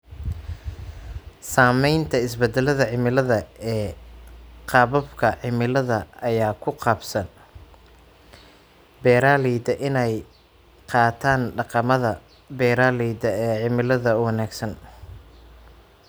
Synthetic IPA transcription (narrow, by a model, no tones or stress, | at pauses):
saːmɛjnt̪ʰɐɪsbɛd̪ɛlɐðɐʕɪmɪlɐðɐɛː | qʰɑːβɐbkʰɐʕɪmɪlɐðɐɐjaːkʰʊqɑːbsɐn | bɛːɾaːliːd̪ɐʔɪnɛj | qɑːt̪ʰaːnɖɑqɑmɐðɐ | bɛːɾaːliːd̪ɐɛːʕɪmɪlɐðɐʊwɑnaːɡsɐn